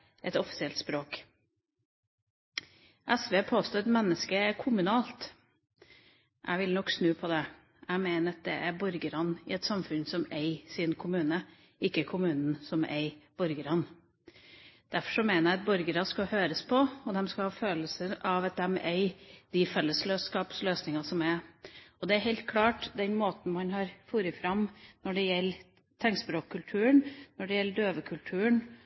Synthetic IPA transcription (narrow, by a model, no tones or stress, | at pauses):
ʔɛt̪ɔfɪ̥sɪɛlt̪spɾoːk | ʔɛsʋeːpʰoːst̪oːɛt̪mɛnːəskəæɾkʰʊmʉnɑːlt̪ | ʔæ̰ɪʋɪlnɔkːsnʉːpʰɔd̪ɛ | æɪmeɪnəɑt̪̚d̪ɛʔæɾbɔɾɡəɾɑnɪ̰ɛt̪sɑmfʉnsɔmeɪsɪnkʰʊmʉːnə | ɪkːəkʰʊmʉːnn̩sɔmḛɪb̥ɔɾɡəɾɑn | d̪̥æɾfɔ̥ʂɔmeːnəɾɑt̪̚bɔɾɡəɾɑskɑhøːɾəspʰɔɔd̪ɛmskɑhɑːføːləsəɾʔɑʋɑt̪̚d̪ɛmḛɪd̪ɪfɛlːəsløːskɑːpsløːsnɪŋɑsɔmɛɔd̪ɛæɾɦɛɪlt̪̚kʰlɑːʈd̪ɛnmoːt̪n̩mɑnɦɑɾfuːɾəfɾɑmnɔɖɛjɛlː | t̪ʰɛŋsbɾoːkʰːʉlt̪ʰʉːəɳnɔɖɛjɛlːəɖøːʋəkʰʉlt̪ʰʉːəɳ